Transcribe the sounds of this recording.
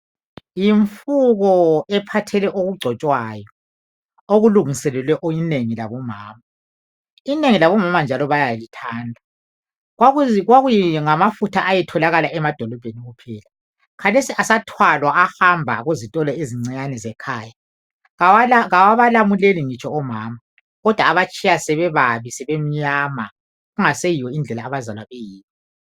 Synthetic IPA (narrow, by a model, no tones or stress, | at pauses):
jiɱfuɣɔɛpʰatʰɛlɛʔoɣuɡ͡ǀʱɔt͡ʃʼwaːjɔ | oɣuluŋisɛlɛlwɛʔojineŋilaβɔma̰ːma | ineŋilaβɔmamand͡ʒʱalɔβajalitʰaːndʱa | ɣwaɣuɣwaɣujiŋamafutʰaʔajɛtʰɔlaɣalaɛmad̥ʱɔlɔb̥ʱeniɣupʰɛːla | kʰalesiʔasatʰwalwaʔahambʱa̰ɣuzitʼɔlɛiziŋ͡ǀiɲanɛzɛkʰaːja | awlɣawaβalamuleliŋit͡ʃʼʰɔɔmaːma | ɣɔd̥ʱwaːβat͡ʃʼijasɛβɛβaβisɛβem̩ɲama | ɣuŋasejiwɔind͡ɮʱɛlaːβazalwaβejiːni